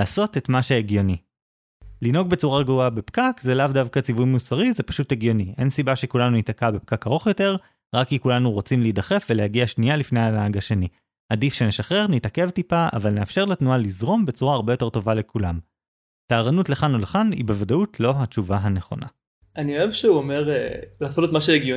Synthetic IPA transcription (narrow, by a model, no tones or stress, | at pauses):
aːso̞tetmaʃeeɡjo̞ni | lino̞ɡbe̞t͡suʁaɡvuabe̞pkakzelavdavkat͡sivujmusaʁizepḁʃuteɡjo̞niʔe̞̰nsibaʃe̞kulanunitakabe̞p̚kakaʁo̞χjo̞te̞ʁ | ʁakikulanuʁot͡simleidaχe̞fveleaɡiaʃnijalifnejanaaɡaʃe̞ni | adifʃe̞ne̞ʃaχe̞ʁnitake̞vtipaa̰valne̞afʃe̞ʁletnualizʁo̞mbe̞t͡suʁaːʁbe̞jo̞te̞ʁto̞vale̞kʰulam | taːʁanutleχanoleχanḭbevadautʰlo̞ɦat͡ʃuvaɦane̞χo̞̰nʔa̰ | ʔanio̞evʃeuomeʁelaːtolotmaʃeeɡjo